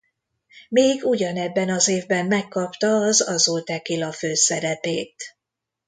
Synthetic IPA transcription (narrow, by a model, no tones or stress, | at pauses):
meːɡuɟɒnɛbːɛnɒzeːvbɛmːɛkːɒpt̪ɒːzɒzult̪ɛkilɒføːsɛɾɛpeːt̪